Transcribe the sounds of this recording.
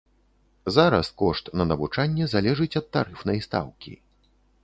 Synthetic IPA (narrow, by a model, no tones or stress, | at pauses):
zaɾɐ̰skɔʂt̪nɐnɐvut͡ʂanʲːɛzalʲɛʐɨt͡sʲɐt̪ːa̰ɾɨfnɐjst̪a̰wkʲḭ